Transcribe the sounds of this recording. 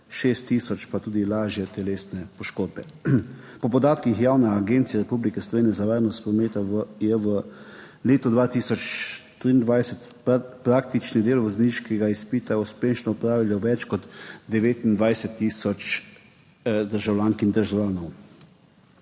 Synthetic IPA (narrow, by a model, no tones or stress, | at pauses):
ʃeːst̪ːisɔt͡ʃpat̪uːd̪ilaːʒjɛt̪ɛleːsnɛpɔʃkoːd̪̚bɛ | pɔpɔd̪aːt̪kixjaːwnɛaɡent̪sijɛɾɛpublikɛslɔʋeːnʲjɛzaʋaːɾnɔst̪pɾɔmeːt̪ɔʋjɛʋə | leːt̪ɔd̪ʋaːt̪iːsɔt͡ʃt̪ɾiːnd̪ʋajsɛt̪ | pɾakt̪it͡ʃnid̪eːlʋɔzniʃkɛɡaispiːt̪auspeːʃnɔːpɾaːʋiljɔʋɛt͡ʃkɔd̪d̪ɛʋeːt̪ind̪ʋajsɛt̪ːiːsɔt͡ʃ | d̪əɾʒawlʲaːŋkind̪əɾʒawlaːnɔw